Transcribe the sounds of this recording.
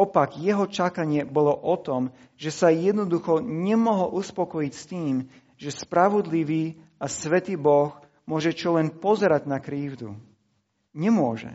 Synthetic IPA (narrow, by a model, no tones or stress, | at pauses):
ɔpaɡjɛɦɔt͡ʃakaɲɪɛbɔlɔʔɔt̪ɔm | ʒɛsajɛd̪nɔd̪uxɔɲɛmɔɦɔlʔuspɔkɔjicst̪iːm | ʒɛspɾaʋɔd̪liʋiː | asʋɛt̪iːbɔx | mʊɔʒɛt͡ʃɔlɛnpɔzɛɾaɟnakɾiːvd̪ṵ | ɲɛmʊɔʒɛ̰